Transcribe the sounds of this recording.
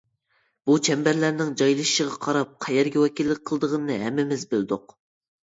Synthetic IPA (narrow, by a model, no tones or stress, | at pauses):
b̥ut͡ʃʰɛmbæɾlæɾnɪŋd͡ʒɑjlˠɨʃʃəʁɑqʰɑɾɑp̚qʰɛjɛɾɡʲɛwɛkʲilːɪk̚ʲqʰəlˠd̪əʁənɨnɨɦɛmːɪmɪzbøld̪ʊq